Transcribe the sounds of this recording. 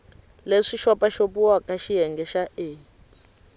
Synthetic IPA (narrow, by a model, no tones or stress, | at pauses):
leʂiʃɔpaʃopuwakʼaʃijɛŋɡɛʃaʔeː